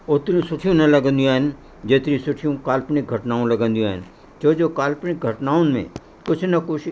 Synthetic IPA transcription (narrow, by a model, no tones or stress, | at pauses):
ʊt̪ɾĩsʊʈʰijõnɐlɐɡə̃nd̪iũaːɦn | d͡ʒeːt̪ɾĩsʊʈʰijõkaːlpnɪk̚ɡʱɐʈnaːõlɐɡə̃nd̪ijõaːn | t͡ʃoːd͡ʒokaːlpnɪk̚ɡʱɐʈnaːõnmḛ̃ | kʊt͡ʃʰnɐkʊt͡ʃʰ